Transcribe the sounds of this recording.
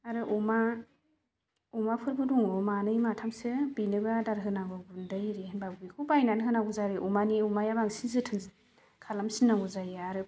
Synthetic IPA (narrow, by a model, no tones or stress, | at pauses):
aɾɯʔɔma | ɔmapʰɯɾbɯdɔŋɔmanɯjmatʰamsɯbinɯɡɯadaɾɦɯnaɡaɡundɯjɾinbabikʰubajnanɦɯnaɡuzaɾɯʔumaniumajabaŋsizɯtʰɯŋz | kʰalamsinːaŋɡuzajaɾɯ